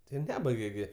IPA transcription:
tɐɪ ˈnʲæːbɐɪɡʲɛ ɡʲɪ

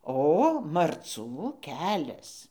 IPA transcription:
ˈoː mɐrˈt͡suː ˈkʲæːlʲɛs

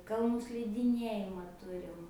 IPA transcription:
kɐlˠˈnuː sʲlʲɪdʲɪˈnʲiɛjɪmɑː ˈtʊrʲɪm

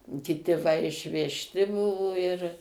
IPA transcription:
kʲɪˈtʲɪ ʋɐ ɪʃʲʋʲɛʃʲˈtʲɪ ˈbʊʋoː ɪr

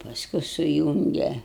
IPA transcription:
pɐˈskʊ sʊˈjuːŋʲɡʲɛ

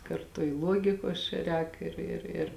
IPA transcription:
kɐrˈtʊ ɪ ˈlˠuɔɡʲɪkoːs t͡ʃʲɛ ˈrʲɛːk ˈɪr ɪr ɪr

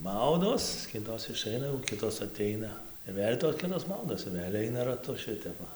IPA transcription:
ˈmɐʊdoːs ˈkʲɪtoːs ɪˈʃɐɪnɐ jɛʊ ˈkʲɪtoːs ɐˈtʲɛɪnɐ ɪr ˈʋʲeːlʲ toːs ˈkʲɪtoːs ˈmɐʊdoːs ɪr ˈʋʲeːlʲ ˈɐɪnɐ rɐˈtʊ ˈʃʲɪtʲɛp ˈʋɐ

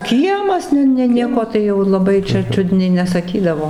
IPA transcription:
ˈkʲiɛmɐs ˈnʲɛ ˈnʲɛ ˈnʲiɛkoː ˈtɐɪ jɛʊ lˠɐˈbɐɪ t͡ʃʲɛ ˈt͡ʃʲʊdʲnʲɛɪ nʲɛsɐˈkʲiːdɐʋoː

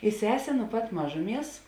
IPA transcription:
ɪ ˈsʲæːsʲeː nʊ pɐt ˈmɑːʒʊˌmʲiɛs

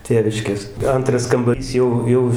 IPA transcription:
ˈtʲeːʋʲɪʃʲkʲeːs ˈɐntrɐs kɐmbɐˈrʲiːs ˈjɛʊ ˈjɛʊ

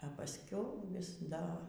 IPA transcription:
ɐ pɐsʲˈkʲɛʊ ʋʲɪs ˈdɐ

